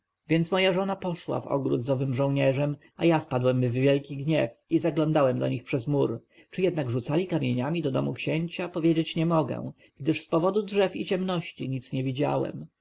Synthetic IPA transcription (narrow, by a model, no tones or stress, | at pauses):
vʲjɛnt̪smɔjaʐɔnapɔʂwa̰vɔ̰ɡɾud̪zɔvɘmʐɔ̃w̃ɲɛʐɛm | a̰jafpad̪wɛmvːʲjɛlkʲiɡɲɛfizaɡlɔ̃nd̪awɛmd̪ɔ̰ɲixpʂɛzmuɾ | t͡ʂɘjɛd̪naɡʐut̪salʲikamʲjeɲamʲid̪ɔd̪ɔmukɕeɲt͡ɕapɔvʲjeɛd͡ʑet͡ɕɲɛmɔɡɛ̰w̃ | ɡ̥d̪ɘʂspɔvɔd̪udʐɛfit͡ɕɛmnɔɕt͡ɕiɲit̪sɲɛvʲid͡ʑa̰wɛ̰m